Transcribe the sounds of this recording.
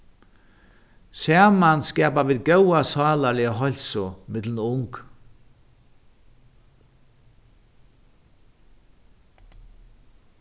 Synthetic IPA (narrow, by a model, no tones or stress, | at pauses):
sæːmanskɛːpaʋɪːðɡœwasɑːlalɪəɦɔlsʊmɪt̪lnʊŋk